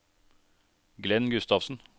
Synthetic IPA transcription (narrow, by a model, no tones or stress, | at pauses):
ɡlɛnɡʉst̪ɑʋsn̩